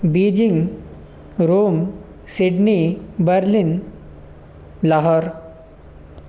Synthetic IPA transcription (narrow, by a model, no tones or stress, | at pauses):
bid͡ʑiŋɡ | ɾom | siɖnibəɾlin | laɦɔɾ